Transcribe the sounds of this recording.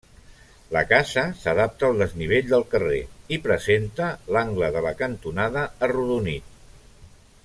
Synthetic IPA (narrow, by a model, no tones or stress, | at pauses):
ləkazəsəðap̚t̪əːlˠd̪əzniβ̞eʎd̪əlˠkərḛipɾəzent̪əlaŋɡləðələkənt̪unaðəːruðunit̪